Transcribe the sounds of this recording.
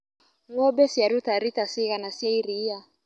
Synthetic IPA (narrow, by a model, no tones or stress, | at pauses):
ŋɔbɛsiaɾut̪aɾit̪asiɣanasiaiɾia